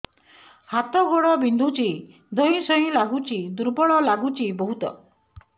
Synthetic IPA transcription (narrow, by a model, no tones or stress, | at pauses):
hat̪ɔɡoɽɔbind̪ʱut͡ʃi | d̪ʱɔɦĩsɔĩlaɡut͡ʃid̪uɾbɔɭɔlaɡut͡ʃibɔɦut̪ɔ̰